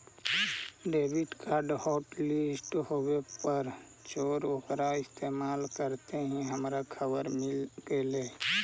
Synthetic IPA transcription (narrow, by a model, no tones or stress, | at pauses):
ɖeːbɪʈkʰaɾɖhɔːʈlisʈɦowepəɾ | t͡ʃoːɾoːkɾaɪst̪eːmaːlkəɾt̪eɦĩɦəmɾakʰəbəɾmɪlkeleː